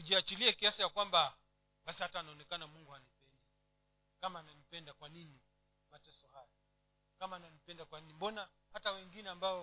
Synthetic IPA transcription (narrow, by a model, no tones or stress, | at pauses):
uʄiat͡ʃiliakiasijakwamba | ɓasihataːnaɔnɛkanamuŋɡuanipɛndi | kamaːnanipɛndakwanini | matɛsɔhajɔ | kamaːnanipɛndakwaninimbɔna | hatawɛŋɡinɛambaɔ